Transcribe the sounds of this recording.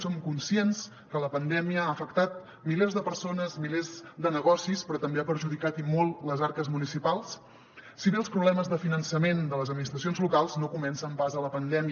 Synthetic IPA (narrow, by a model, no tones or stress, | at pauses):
somkunsiens | kələpənd̪ɛmiəaəfəkt̪at̪̚ | milezðəpəɾsonəzmilezd̪ənəɣɔsispɾɔt̪əmbeapəɾʒuðikat̪imolˠləzaɾkəzmunisipalˠsː | iβeəlˠspɾuβlɛməzðəfinənsəmend̪ələzəd̪minist̪ɾəs̬ionzlukalˠznokumɛnsəmpazələpənd̪ɛmiə